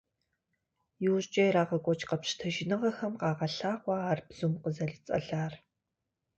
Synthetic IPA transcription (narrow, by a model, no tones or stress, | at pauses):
juːɕʼt͡ʃʼeraːʁɐkʷʼɔt͡ʃʼqɐpɕtʰɐʒɪnɨʁɐxɐmqɑːʁɐɬaːχʷɑːrbz̥umqəzɐɮt͡sʼɐ̰ɮaːr